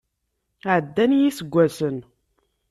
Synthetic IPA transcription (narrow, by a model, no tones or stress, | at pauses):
ʕəd̪ːænjisəɡʷːæsən